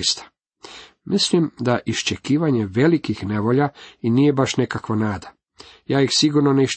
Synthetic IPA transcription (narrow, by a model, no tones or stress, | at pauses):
st̪ḁ | mʔislimd̪aʔiʃt͡ʃekiːʋaɲe̞ʋelikixne̞ʋoʎainiːje̞baʃnekakʋanaːd̪a | jaːjixsiɡuɾnoneiʃ